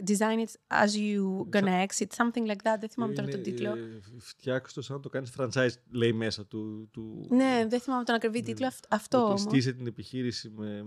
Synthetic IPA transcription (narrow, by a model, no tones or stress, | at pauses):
d̪izajnit̪sɐ̰zjuɡonɐeksit̪sɐ̃mθĩŋɡlɐjk̚ðɐt̪ðeθimɐmet̪onɐt̪od̪iloft̪çɐkso̥t̪osɐnt̪o̞kɐnisfɾɐnt͡sɐjzle̞jmesɐt̪ut̪uneðeθimɐmet̪onɐkɾivit̪it̪loɐɐft̪oomsot̪is̬et̪inepiçiɾisime